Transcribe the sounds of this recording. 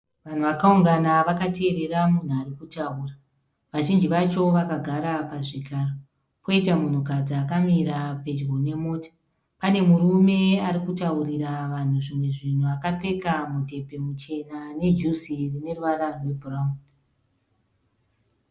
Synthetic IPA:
ʋan̤uʋakauŋɡanaʋakate̞ːɾe̞ramun̤uarikutauːra | ʋaʒind͡ʒiʋat͡ʃo̞ʋakaɡʱaɾapaʐikaːro | pʰo̞itamun̤ukad͡zaːkamiɾape̞d͡ʒɡone̞mo̞ːtḁ | pane̞murume̞aɾikutauriɾaʋan̤uʐimwe̞ʐin̤uakap͡fe̞kamute̞pe̞mut͡ʃe̞nane̞d͡ʒusirine̞ruʋaɾarwe̞bʱurauni

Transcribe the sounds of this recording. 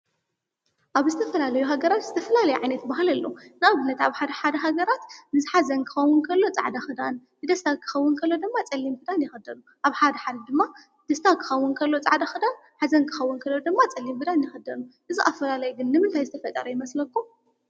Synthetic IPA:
ʔaβzɨt̪ʰɐfɐlalɐjuɦaɡɐɾat̪z̥ɨt̪ʰɐfɐlalɐjuʕajnɐt̪baɦɨlɐlːo̞̰nɨaβɨnːɐt̪aβħad̪ɐħad̪ɐɦaɡɐɾat̪nɨzħazɐnkʰɨ̥xɐwʊnkʰɐlːo̞t͡sʼa̰ʕd̪axɨd̪annɨd̪ɐst̪ʰakʰɨ̥xɐwːʊnkʰɐlːod̪ɨmːat͡sʼɐlːimbɨd̪anjɪxɐd̪ɐnu | ʔaβħad̪ɐħad̪ad̪ɨmːa | d̪̥ɐst̪ʰakʰɨ̥xɐwːunkʰɐlːo̞t͡sʼaʕd̪axɨd̪an | ħazɐnkʰɨ̥xɐwːunkʰɐlːod̪ɨmːat͡sʼɐlːimbɨd̪anjɪxɐd̪ɐnuʔɨziʔafɐlalɐjuɡɨnːɨmɨnt̪ʰajzɨt̪ʰɐfɐt̪ʼːɐ̰ɾɐjɪmɐslɐkʰːu

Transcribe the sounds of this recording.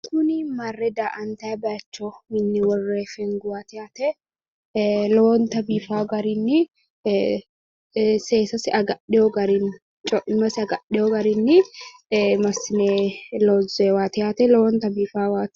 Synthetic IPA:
kʊnɪmɐrːɛd̪aːʔɐnt̪ɐbaːt͡ʃːoɪnːɪwɔrːeːfɛŋɡʊwaːt̪ɪjaːt̪ɛ | lɔɔnt̪ɐbiːfaːɡɐɾɪnːɪ | seːsɐsɪɐɡɐᶑɪjɔɡɐɾɪn | t͡ʃʼɔɪmɐsɪɐɡɐɗɪjɔɡɐɾɪnːɪ | mɐsɪneloːzeːwaːt̪ɪjaːt̪ɛlɔwɔnt̪ɐbiːfaːwaːt̪

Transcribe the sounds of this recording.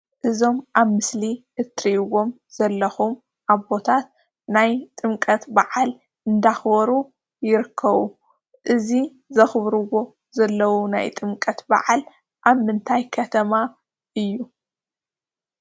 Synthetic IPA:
ʔɨzo̞mʔaβmɨsli | ɨt̪ɾiʔwo̞m | z̥ɐlːɐxum | ʔaβbo̞t̪ʰat̪̚ | najt̪ʼɨmkʼɐt̪baʕal | ɨnd̪axbɐɾu | jɪɾɨkʰːɐβu | ʔɨzi | zɐxɨβɾɨwo̞ | zɐlːɐwunajt̪ʼɨmkʼɐt̪ba̰ʕal | ʔaβmɨnt̪ʰajkʰɐt̪ʰɐma | ʔɨjːu

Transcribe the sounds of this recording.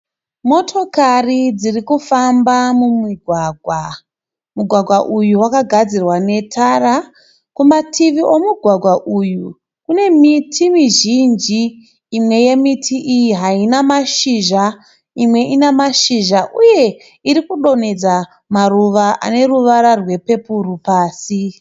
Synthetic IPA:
mo̞tʰo̞karid͡zirikufambamumiɡʱwaɡʱwa | muɡʱwaɡʱwaʔujuwakaɡʱad͡zirwane̞tʰara | kumatʰiʋiʔo̞muɡʱwaɡʱwaʔuju | kune̞mitʰimiʒind͡ʒiː | mwe̞je̞mitʰiʔijiɦainamaʃiʒa | imwe̞ʔinamaʃiʒaʔuje̞ | iɾikuɗo̞ne̞d͡za | maruʋaʔa̰ne̞ruʋaɾarwe̞pe̞puɾupaːsi

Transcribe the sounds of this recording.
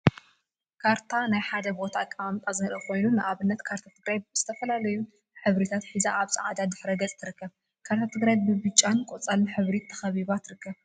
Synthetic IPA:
kʰaɾt̪ʰanajħad̪ɐbo̞t̪ʰaːkʼːamamt̪ʼazɨnɐlɐkʰo̞jnunɨʔaβɨnːɐt̪kʰaɾt̪ʰat̪ʰɨɡɾajz̥ɨt̪ʰɐfɐlalɐju | ħɨβɾit̪ʰat̪ħizaʔaβsʼa̰ʕad̪ad̪ɨħɾɐɡɐt͡sʼt̪ʰɨɾɨkːɐβ | kʰaɾt̪ʰat̪ʰɨɡɾajbɨbɨt͡ʃʼːankʼot͡sʼalːɨħɨβɾit̪ʰːɐ̥xɐβiβat̪ɾɨkːɐβ

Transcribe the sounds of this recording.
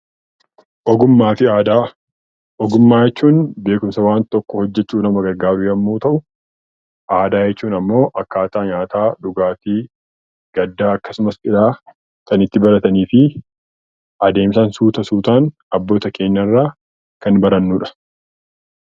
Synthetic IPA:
ʔɔɡʊmːaːfɪaːd̪aː | ʔɔɡʊmːaːjɛt͡ʃːuːnbe̞ːkʊmsɐwaːnt̪ɔkːɔhɔd͡ʒːɛt͡ʃːuːnɐmɐɡɐɾɡaːbɪjɐmːoːt̪ɐʔʊ | ʔaːd̪aːjɛt͡ʃːuːnɐmːo̞ːʔɐkːaːt̪aːɲaːt̪aːᶑʊɡaːt̪iː | ɡ̥ɐd̪ːaːɐkːɐsʊmɐsɪlaː | kɐnɪt̪ːɪbɐɾɐt̪ɐniːfɪ | ʔɐd̪e̞ːmsɐnsuːt̪ɐsuːt̪aːn | ɐbːo̞ːt̪ɐkʰe̞ːnːɐrːaː | kɐnbɐɾɐnːuːᶑɐ̥

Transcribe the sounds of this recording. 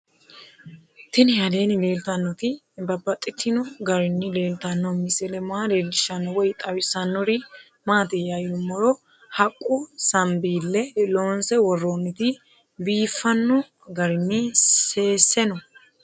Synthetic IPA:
t̪ɪnɪhɐd̪e̞ːnɪle̞ːlt̪ɐnːɔt̪ɪ | bɐbːɐt̪ʼːɪt̪ʰːɪnɔɡɐɾɪnːɪle̞ːlt̪ɐnːɔmɪsɛlɛmaːleːldɪʃɐnːɔwɔjt̪ʼɐwɪsɐnːɔɾɪ | maːt̪ɛjajʊmːɔɾɔ | hɐkʼːʊsɐmbiːlːɛloːnsɛwɔrːoːnːɪt̪ɪ | biːfːɐnːɔ | ɡɐɾɪnːɪse̞ːsːɛnɔ

